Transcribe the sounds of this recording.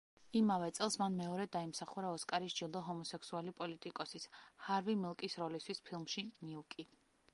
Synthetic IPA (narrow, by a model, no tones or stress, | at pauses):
imavɛt̪sʼɛlˠsmanmɛɔɾɛd̪aimsaχuɾaɔskʼaɾiʃd͡ʒilˠd̪ɔɦɔmɔsɛksualipʼɔlit̪ʼikʼɔsishaɾvimilˠkʼisɾɔlist̪ʰwispʰilˠmʃiniukʼi